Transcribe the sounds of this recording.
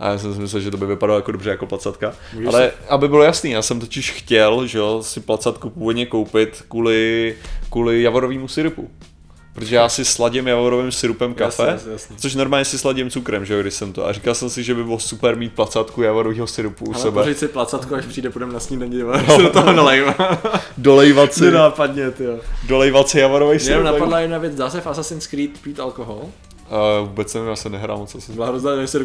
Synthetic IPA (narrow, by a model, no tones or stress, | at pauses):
ʔa̰jaːs̬ɛmsɪmɪsɛlʒɛt̪obɪvɪpadalojakodobrɛjako̞plat͡sat̪ka | a̰lɛʔabɪbɪlojasniːjaːsɛmt̪ocɪʃxcɛlʒɛosɪplat͡sat̪kupuːvod̪ɲɛkowpɪt̪kuːlɪkuːlɪjavoɾoviːmusɪɾupṵ | pɾot̪oʒɛjaːsɪslaɟɪmjavoɾovɪmsɪɾupɛmkafɛsɛt͡soʃ̬noɾmaːlɲɛsɪslaɟɪmt͡sukɾɛmʒɛjoɡdɪʃsɛmt̪o̰ʔa̰rikalsɛmsɪʒɛbɪbɪlosupɛɾmiːt̪̚plat͡sat̪kujavoɾoviːɦosɪɾupuuasɛpbɛɾisɪplat͡sat̪koaʃpr̥iːdɛpudɛmnasɲimdɛɲɪddot̪oɦonalɛjvadolɛjvat͡snɪɛnaːpadɲɛt̪ɪjodolɛjvat̪t͡sɪjavoɾovɛjsjaɪnomnaɛpadlajɛdnavjɛd͡zdaːsɛfasasɪnskɾiːt̪piːt̪ʔalkoɦol | vuːbɛt͡snɛvɪmjaːsɛmnɛɦɾa̰ːlmot͡sasɪblaɦɾozd̪aɛsɪɾu